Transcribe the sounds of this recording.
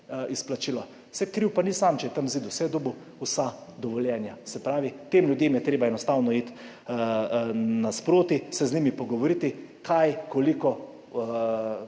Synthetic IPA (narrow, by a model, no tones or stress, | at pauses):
isplat͡ʃiːlɔ | sɛkɾiwpanisaːmt͡ʃɛjɛt̪amziːd̪uwsɛd̪obu | usad̪ɔʋɔljɛːnjasɛpɾaːʋit̪eːmljʊd̪jeːmjɛt̪ɾeːbaɛnɔst̪aːwnɔiːt̪ | naspɾoːt̪isɛznimipɔɡɔʋɔɾit̪ikʰajkɔlikɔ